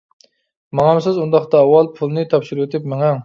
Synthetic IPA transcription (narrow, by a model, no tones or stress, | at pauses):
mɑŋɑmsɪzund̪ɑχt̪ɑːwːɑlˠpʰulˠɨnɨt̪ʰɑpʃiɾɨwet̪ʰɪpmɪŋɛŋ